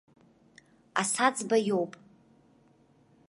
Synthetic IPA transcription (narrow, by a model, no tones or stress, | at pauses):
a̰sad͡zbajowpʼ